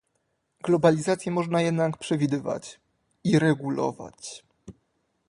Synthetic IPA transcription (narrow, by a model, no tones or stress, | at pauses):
ɡlɔbalʲizat̪sʲjɛmɔʐnajɛd̪nakpʂɛvʲid̪ɘva̰t͡ɕ | iɾɛɡulɔ̰va̰t͡ɕ